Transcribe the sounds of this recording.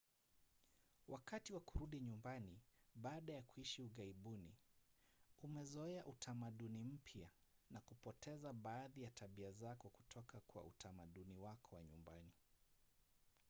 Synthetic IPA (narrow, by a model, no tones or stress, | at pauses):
wʔakatiwakuɾuɗiɲumbaniɓaːɗajakuiʃiuɣaiɓunḭ | umɛzɔɛaʔutʰamaɗunim̩pʰjanakupɔtʰɛzaɓaːðijatʰaɓiazakɔku̥tʰɔkakwa̰ṵtʰamaɗuniwakɔwa̰ɲumba̰ni